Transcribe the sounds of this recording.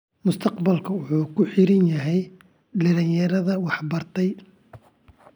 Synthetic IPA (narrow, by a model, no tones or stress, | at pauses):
mʊst̪ʰɐqbɐlkʰɐwʊħuːkʰʊħɪɾɪnjɐɦɛj | ɖɐlɪnjɐɾɐðɐwɑħbɐrt̪ʰɛj